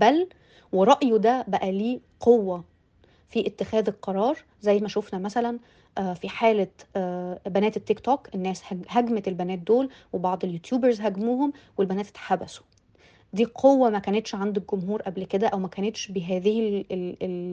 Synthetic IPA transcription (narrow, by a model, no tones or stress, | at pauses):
bæl | weɾˤɑʔjod̪æbæʔæliː | qʰowːæ | fiʔet̪ːexæːðelqɑɾˤɑːɾˤ | zæjːmæʃofnæmæsælæn | ʔfiħaːlæ | bænæːt̪et̪ːekt̪oːkʔenːæːshæhæɡmæt̪elbænæːt̪̚d̪oːlwebɑʕd̪ˤeljut̪juːbæɾzɦæɡmuːhomwelbænæːt̪et̪ħabæso̥ | d̪iːqʰowːæmækæːnet̪ʃʕand̪ok̚ɡomɦuːɾʔæblked̪æʔæwmækæːnet̪ʃbeɦæːðɪhelel